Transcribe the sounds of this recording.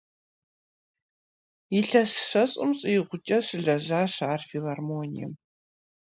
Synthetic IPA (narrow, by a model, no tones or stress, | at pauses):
jiɬɐsʂɐɕʼɪmɕʼijɪʁʷʊt͡ʃʼɐɕɨɮɐʑaːɕaːrfilarmoːnḭjɛ̰m